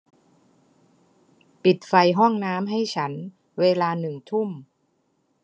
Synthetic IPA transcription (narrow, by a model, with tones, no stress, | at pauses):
pi˨˩t̪̚fa˧jɦɔ˥˩ŋnaː˦˥mɦa˥˩jt͡ɕʰa˦˥n | weː˧laː˧nɯ˨˩ŋt̪ʰu˥˩m